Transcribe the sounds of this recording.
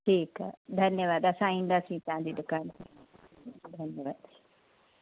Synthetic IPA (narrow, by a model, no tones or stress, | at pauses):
ʈʰiːkːd̪ʱɐnjəʋaːd̪ɐsãĩːn̆d̪aːsĩt̪ɐɦãːd͡ʑiːd̪ʊkaːnki | id̪ʱɐnjəʋaːd̪si̥